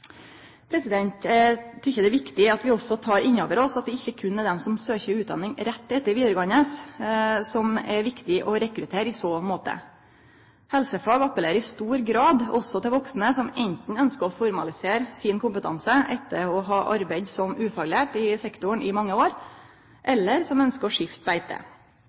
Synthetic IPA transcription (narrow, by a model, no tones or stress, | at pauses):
pʰɾɛsɪd̪ɛnt̪t̪ʰʏçːəd̪ɛʋɪkt̪ɪɑt̪ʋɪɔsɔt̪ʰɑːɾʔɪɲːoːʋəɾɔsɑt̪̚d̪ɛɪçːəkʰʉnːɛɾd̪ɛmsɔmsøːçəɾʉːt̪d̪ɑ̰nːɪŋɾɛt̪ːɛt̪ːəɾʋiːd̪əɾəɡɑŋːəs | sɔmɛɾʋɪkt̪ɪʔɔɾɛkɾʉt̪ʰeːɾɪsoːmoːt̪ə̰ | hɛlsəfɑːɡɑpːəleːɾəɾɪst̪uːɾɡɾɑːd̪ɔsɔt̪ɪlʋɔksnəsɔmɛnt̪n̩œnskəɾɔfɔɾmɑlɪseːɾsɪnkʰʊmpət̪ʰɑ̰nsəʔɛt̪ːəɾɔɦɑːʔɑɾbæɪd̪sɔmʉːfɑɡlæːʈɪsɛkt̪ʊɳɪmɑŋːəoːɾ | ʔɛlːəɾsɔmœnskəɾɔʂɪft̪̚bæɪt̪ʰə̰